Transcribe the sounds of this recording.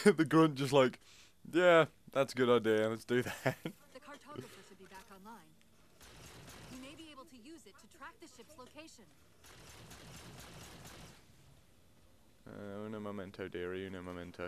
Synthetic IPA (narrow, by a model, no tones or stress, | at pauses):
ðɨɡɹʌ̃nd̥ʒ̥ʌstˡlaɪk | jæ | ðætsɡ̥ʊɾaɪdeɪãɪmʌsd̥ɨðæt | ðɨkʰɑɹtʰotə˞tʰɨbibækɑ̃nlãɪ̃n | jɨmeɪbieɪbl̩ˠtʰɨjʉzɨtʰɨtʰɹ̥æk̚ðɨʃɪpsloʊkʰeɪʃɨ̃n | noʊmomɛ̃ntʰoʊdɪɹijɨnoʊmomɛ̃ntʰoʊ